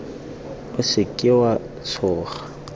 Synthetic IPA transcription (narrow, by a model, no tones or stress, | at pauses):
ʊsɪkʼɪwa | sʰɔːχḁ